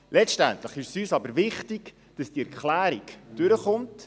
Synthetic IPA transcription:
lʔɛt͡ʃtæntləχɪʃsyːsɑbəɾʋɪχtiɡ | d̥ɑsd̥iɛɾkχlæːɾiɡd̥ʏɾəχʊnt

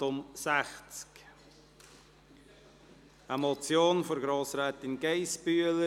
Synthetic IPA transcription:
ʊmsæxt͡sk | əmɔt͡sjoːnfɔɾɡɾoːsɾɛːt̪ɪnɡeɪspyələ

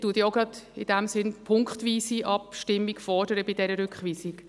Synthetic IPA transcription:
tuːtjoʊɡɾɑdɪd̥ɛmsɪnpʰʊŋkχtʋiːsiʔɑpʃtɪmːiɡfɔd̥əɾəbɪdɛɾəɾʏkχʋiːsik

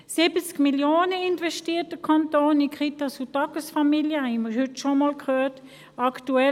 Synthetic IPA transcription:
sɪbət͡skmiljoːnəɪntvɛʃtiːt̚dəkʰantoːnɪnkʁitasutɑkəsfamiljəhɛməhʏtʃomɔːlkhøːt | aktuɛ

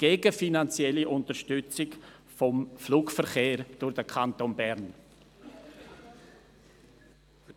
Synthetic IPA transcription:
ɡ̥eːɡəfinant͡sjɛliʔʊntəɾʃtʏt͡sɪk | fɔmfluːkfəɾχeːɾd̥ʊʁd̥əkʰantoːnbɛɾn

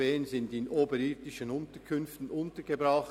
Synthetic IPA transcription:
eːənzɪndɪnʔoːbəɾɪdɪʃənʊntəkʰʏnftn̩ʊntəɡebʁaχ

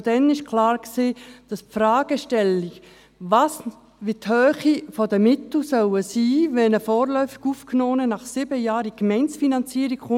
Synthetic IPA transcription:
d̥ɛnɪʃkʰlɑːɾkseːd̥ɑspfɾaːɡ̥əʃtɛliɡ | vɑs | ʋithœːχifɔdəmɪt̪l̩sœwəsiːvɛnəfɔːɾlœʏfi̥ɡ̥uːfknoːnənɑχsɪbəjɑːɾikmɛɪnt͡sfinɑnt͡siːɾiɡχʊ

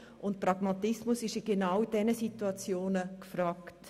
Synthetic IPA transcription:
ʔʊnt̚pɾɑɡ̥mɑtɪsmʊsɪʃiɡenawd̥ɛnəsituɑt͡sjoːnəkfɾaːkt

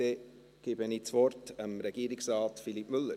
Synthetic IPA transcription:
e | ɡ̥ɪbənit͡svɔrtəmɾɛɡ̥iːɾiksrɑːtfilipmʏlːəɾ

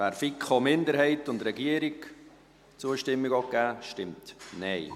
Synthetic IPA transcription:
æːɾfikχomɪnd̪əɾɦɛɪtʊndɾɛɡiəɾik | t͡suəʃtɪmːiɡɔkːæːʃtɪmtnɛɪ

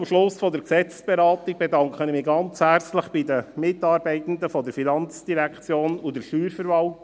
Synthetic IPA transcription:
mʃlʊsfɔdəksɛt͡ssb̥eɾɑːt̪iɡ̚b̥edɑŋkχənɪmɪːɡɑnt͡shært͡slɪχb̥idəmɪtɑːɾbɛɪt̪ən̩d̪əfɔdəɾfinɑnt͡sd̥iɾækʰt͡sjoːnʊdəɾʃyːɾfəɾvɑlt

